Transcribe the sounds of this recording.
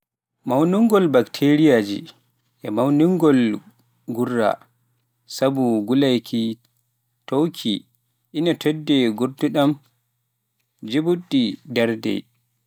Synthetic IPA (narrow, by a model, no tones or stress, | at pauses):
mawnuŋɡɔlbaktʰeɾijad͡ʒḭ | ʔɛmawnuŋɡɔl | ɡurːa̰ | sabuɡulajkʰi | towkʰi | ʔinatʰɔdːɛɡuɾtuɗam | d͡ʒebuɗːidaɾdɛ̰